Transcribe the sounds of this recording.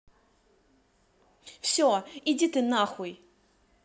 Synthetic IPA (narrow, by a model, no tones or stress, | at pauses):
fsʲoid͡zʲit̪ɨnaxʊj